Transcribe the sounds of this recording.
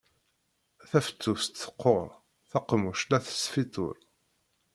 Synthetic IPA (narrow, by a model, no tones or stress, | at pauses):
θæfə̥t͡sːust̪θə̥qːoɾˤ | θɑqːmuʃlæθə̥sfit̪ˤo̰ɾ